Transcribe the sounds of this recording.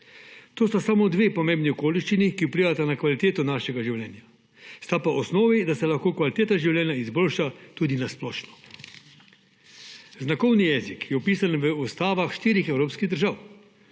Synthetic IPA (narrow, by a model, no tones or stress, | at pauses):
t̪oːst̪asamod̪ʋepɔmẽmbniɔkoːliʃt͡ʃinikiupliːʋat̪anakʋalit̪eːt̪ɔnaːʃɛɡaʒiwljɛːnja | st̪apaʔɔsnoːʋid̪asɛlaxkoːkʋalit̪eːt̪aʒiwlʲjɛːnjaizboːlʃat̪uːd̪inasplɔːʃnɔ̥ | znakɔwnijɛːzikʰjɛupiːsanʋəust̪aːʋaxʃt̪iːɾixɛwɾoːpskiɣd̪əɾʒaw